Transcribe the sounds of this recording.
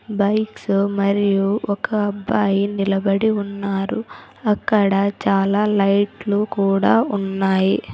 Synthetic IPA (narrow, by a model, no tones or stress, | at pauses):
bɐjksmɐɾijuʔɔkɐːbːaːjinilɐbɐɽiunːaːɾu | ɐkːɐɽɐt͡ʃaːlaːlɐjʈlukuːɽaːunːaːji